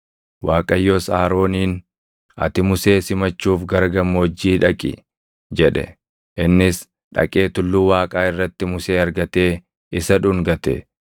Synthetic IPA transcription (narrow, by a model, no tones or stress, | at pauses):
waːkʼɐjːoːsaːɾo̞ːniːn | ɐ̰t̪ɪmʊse̞ːsɪmɐt͡ʃːuːfɡɐɾɡɐmːoːd͡ʒːiːᶑɐkʼɪ̰ | d͡ʒɛᶑɛ̰ | ʔɪnːɪs | ᶑɐ̰kʼeːt̪ʊlːuːwaːkʼaːɪrːɐt̪ːɪmʊseːɐɾɡɐt̪e̞ː | ɪsɐᶑʊŋɡɐt̪ɛ̰